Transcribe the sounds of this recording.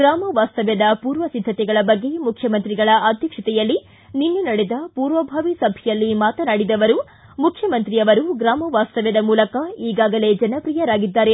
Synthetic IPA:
ɡɾaːmɐʋaːst̪ɐʋɛd̪ɐpuːɾʋɐsid̪ʱːɐt̪ɛɡɐɭɐbɐɡːe̞mukʰjɐmɐnt̪ɾiɡɐɭɐʔaːd̪ʱjɐkʂɐt̪ɛjɐlːi | ninːunɐɽed̪ɐpuːɾʋɐbʱaːʋisɐbʱɛjɐlːimaːt̪ɐnaːɽid̪ɐʋɐɾu | mukʰjɐmɐnt̪ɾijɐʋɐɾuɡɾaːmɐʋaːst̪ɐʋɛd̪ɐmuːlɐkɐiːɡaːɡɐle̞d͡ʒɐnɐpɾijɐɾaːɡid̪ːaːɾe̞

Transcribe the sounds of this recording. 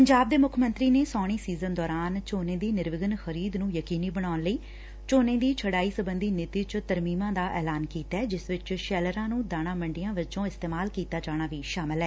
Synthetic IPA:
pəɲd͡ʒaːb̚d̪eːmʊkʰmə̃nt̪ɾiːneːsɔːɽ̃iːsiːzənd̪ɔːɾaːnt͡ʃoːnẽːd̪iːnɪɾʋɪɡənxəɾiːd̪nũːjəkiːniːbəɽ̃aːʊnləiː | t͡ʃoːnẽːd̪iːt͡ʃʰəɽaːiːsəbənd̪iːnɪt̪iːt͡ʃt̪əɾmiːmãːd̪aːʔɛːlaːnkiːt̪aɛːd͡ʒɪsʋɪt͡ʃʃɛːləɾãːnũːd̪aːɽ̃ãːməɳɖɪjãːʋɪt͡ʃõːɪst̪eːmaːlkiːt̪aːd͡ʒaːɽ̃aːʋiːʃaːmɪlɦɛː

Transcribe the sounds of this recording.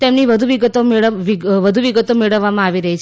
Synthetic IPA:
t̪emniʋəd̪ʱuʋiɡət̪omeɭəʋiʋəd̪ʱuʋiɡət̪omeɭəʋːamãaʋiɾəɦit͡ʃʰ

